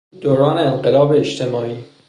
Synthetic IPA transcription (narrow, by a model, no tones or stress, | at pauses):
d̪̥oɾɒːneenɢelɒːbeːʃt̪ʰemɒːiː